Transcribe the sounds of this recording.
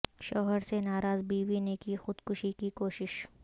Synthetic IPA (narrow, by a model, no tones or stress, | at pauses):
ʃɔːɦəɾsenaːɾaːzbiːʋinekixʊd̪kʊʃikikoːʃɪʃ